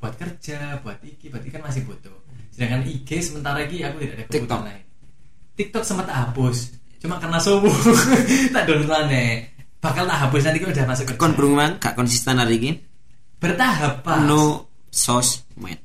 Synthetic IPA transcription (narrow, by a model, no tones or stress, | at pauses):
b̥uat̪̚kərd͡ʒab̥uat̪̚ikibuat̪ikanmas̬ɪhbot̪ʊ | sədaŋkaniɡesəmənt̪aɾaikiakut̪idaʔadakəkput̪ɔnai | t̪ik̚t̪ɔk̚səmpət̪ːaʔɦapʊs | t͡ʃumakərnasowu | t̪aʔdɔnlanɛ | b̥ahkalt̪aʔɦapʊs̬nant̪ikdamasʊkkɔnbɾuŋmanɡa̰ʔkɔnsist̪ɛnaɾiki | b̥ərt̪aɦap̚ːanu | sɔs | mɛ̰n